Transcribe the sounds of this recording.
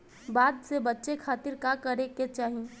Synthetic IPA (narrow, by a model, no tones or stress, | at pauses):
baːd̪sebɐtːʃekʰaːt̪ɪɾkakɐɾeket͡ʃaːɦi